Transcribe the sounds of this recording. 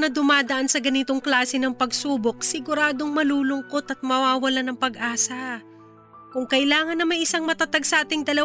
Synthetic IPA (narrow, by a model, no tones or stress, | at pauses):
nɐd̪ʊmaːd̪ɐʔansɐɡɐnit̪oŋklaːsɛnɐŋpɐɡsuːbo̞k̚sɪɡʊɾaːd̪o̞ŋmɐluːlʊŋko̞t̪ɐt̪̚mɐwaːwɐlanɐŋpɐɡʔaːsɐ | kʊŋkɐʔɪlaːŋɐnːɐmɐjʔɪsaŋmɐt̪at̪ɐɡsaːt̪ɪŋd̪ɐlɐ